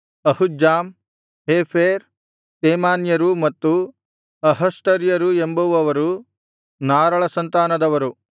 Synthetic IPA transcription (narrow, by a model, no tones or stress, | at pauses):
ɐhud͡ʒaːm | ɦeːpʰeːɾ | t̪eːmaːnjɐɾumɐt̪ːu | ɐɦɐsʈ̪ɐɾjɐɾuembɐʋuɐʋɐɾu | naːɾɐɭɐsɐnt̪aːnɐd̪ɐʋɐɾu